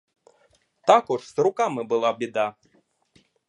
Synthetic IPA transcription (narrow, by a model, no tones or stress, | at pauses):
t̪akuʐsɾukamɨbɨlˠabʲid̪a